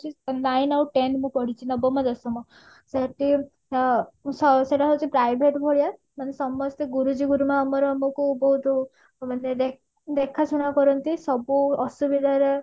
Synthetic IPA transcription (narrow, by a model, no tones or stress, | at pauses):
t͡ʃʰinajnawʈenmũpɔɽ̤it͡ʃʰinɔbɔmad̪ɔsɔmɔ | seʈi | sɔseʈaɦɔwt͡ʃʰipɾajbʱeʈbʱɔɭija | manesɔmɔst̪ɔɡuɾud͡ʒiɡuɾumaːmɔɾɔmɔkubɔɦut̪ɔ | maned̪e | d̪ekʰasuɽ̃akɔɾɔnt̪isɔbuɔsubid̪ʱaɾe